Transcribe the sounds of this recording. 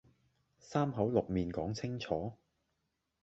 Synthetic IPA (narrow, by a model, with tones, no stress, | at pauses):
saː˥mɦɐ˨˥wlʊ˨k̚miː˨nkɔː˨˥ŋt͡sʰɪ˥ŋt͡sʰɔː˨˥